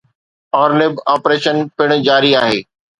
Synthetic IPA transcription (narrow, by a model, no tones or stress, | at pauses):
ɔːɾlɪbaːpɾeːʃənpɪɽ̃̆d͡ʑaːɾiaːɦeː